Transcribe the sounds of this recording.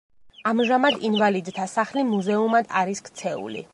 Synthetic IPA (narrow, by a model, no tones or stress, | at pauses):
amʒamad̪invalid̪t̪ʰasaχlimuzɛumad̪aɾiskʰt̪sʰɛṵlḭ